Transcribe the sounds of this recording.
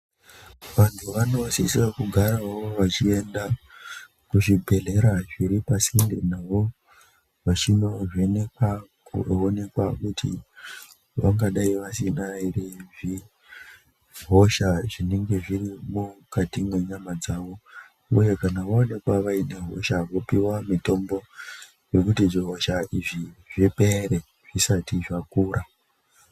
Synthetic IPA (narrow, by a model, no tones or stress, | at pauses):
ʋantʰuʋano̞sisiakuɡʱaɾaaʋoʋat͡ʃie̞nda | kuʐibʱe̞ɮe̞ɾaʐiɾipasindenaʋo̞ | ʋat͡ʃino̞ʐenekwakuone̞kwakutʰḭ | ʋa̰ŋɡaɗaiʋasinaireʐi | ɦo̞ʃaʐine̞ŋɡe̞ʐirimukatimwe̞ɲamad͡zaʋo̞ | uje̞kanaʋaone̞kwaʋaine̞ɦo̞̰ʃaʋo̞piwamito̞mbo̞ | jo̞kutiʐiɦo̞ʃaʔiʐiʐipe̞ɾe | ʐ̥isatiʐakuːrʔa